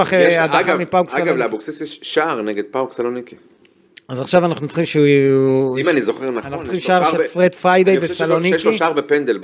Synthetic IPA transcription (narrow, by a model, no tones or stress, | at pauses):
aχeadamipawksalɡavleabuksesjeʃʃaːʁneɡed̪̚pawksaloniki | azaχʃavanaχnut͡sχimʃeu | imanizoχeʁnaanaχnt͡sχimʃʃaʁʃefʁet̪fʁajd̪ejbesaloniʃiʃaʁbepend̪elb